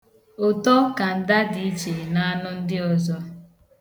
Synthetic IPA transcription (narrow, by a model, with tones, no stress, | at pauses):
ʊ˨tɔ˦ka˨n̩˨da˦di˨˦t͡ʃe˨na˦a˦nʊ˦n̩˦dɪ˦ɔ˨zɔ˦